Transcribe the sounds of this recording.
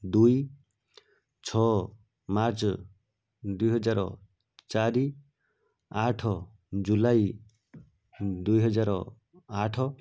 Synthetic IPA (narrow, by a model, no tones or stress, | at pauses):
d̪uj | t͡ʃʰɔ | maɾt͡ʃɔ | d̪ujɦɔd͡ʒaɾɔ̰ | t͡ʃaɾi | aʈʰɔ | d͡ʒulaj | d̪ujɦɔd͡ʒaɾɔ̰ | aʈʰɔ